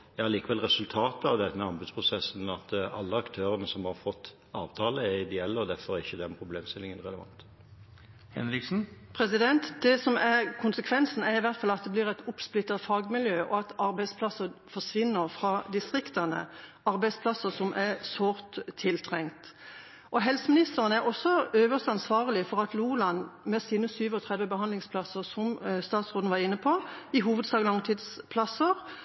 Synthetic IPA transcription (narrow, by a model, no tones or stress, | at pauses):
jæhɑɾɭiːkəʋɛlʁɛsʉlt̪ʰɑːt̪əɑʋd̪ɛt̪ːəmɛɑnbʉd̪spʰʁʊsɛsn̩ɑt̪ɑ̰lːəɑkt̪ʰøːɾənəsɔmhɑɾfɔt̪ː | ɑːʋt̪ʰɑːləɛɾɪd̪ɛɛlːəɔd̪æɾfɔɾɛɾɪçːəd̪ɛnpʰɾʊbleːmst̪ɪlɪŋənʁɛləʋɑ̰nt̪ | hɛ̰nɾɪksn̩pʰɾɛsɪd̪ɛnt̪d̪̥ɛsɔmæʁkʰʊnsəkʰʋɛnsn̩æɾɪʋæʁt̪fɑlɑt̪̚d̪ɛblɪʁɛɪt̪ʊpsplɪt̪ːɑt̪fɑːɡmɪljøːʔɔɑt̪ɑɾbæɪspʰlɑsəfɔʂʋɪnːəɾfʁɑd̪ɪst̪ʁɪkt̪ɑnə̰ | ɑɾbæɪspʰlɑsəsɔmʔæsoːɾt̪ʰːɪlt̪ʰʁɛŋt̪ | ʔɔɦɛlsəmɪnɪst̪əʁənəæɾɔsːɔøːʋəst̪ɑnsʋɑːʁəlɪfɔʁɑt̪luːlɑnmɛsiːnəsyːʋəɔt̪ʰʁɛd̪ʋəbəhɑnd̪lɪŋspʰlɑsəʁsɔmst̪ɑːt̪sʁoːd̪nʋɑʁɪnːəpʰoɪɦuːʋəd̪sɑːɡlɑŋt̪ʰid̪spʰlɑsəʁ